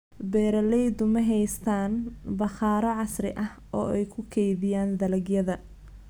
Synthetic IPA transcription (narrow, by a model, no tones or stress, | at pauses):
bɛːɾɐlɛjd̪ʊmɐɦɛjst̪ʰaːnbɐχaːɾɐʕɑsrɪ̰ʔɐh | ɔ̰ːɛjkʰʊkʰɛjðɪjaːnd̪ɐlɐɡjɐðɐ